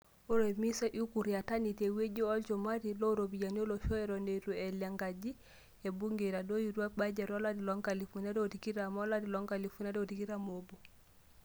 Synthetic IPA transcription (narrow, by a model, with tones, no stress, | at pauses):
o˦ɾɔmi˦sa˦ʔu˦ku˨ɾi˨a˨ta˦nitɛ˨we˦ɟi˦ɔ˦lt͡ʃɔma˦ɾilɔ˦ɾobi˨ɟa˨ni˦ɔ˦lɔʃɔ˦ɛɾɔneɾu˨ɛ˨lɛ˨ŋɡad͡ʒi | ɛ˨bu˦ŋɡeɾa˨do˦juɾu˦a˦bad͡ʒa˨ɾɔla˦di˨lɔ˦ŋka˨li˨funa˦ɾo˨tiki˦ɾamɔ˦ladi˨lɔ˦ŋɡali˨fu˦na˦do˨ti˨ki˦ɾamobu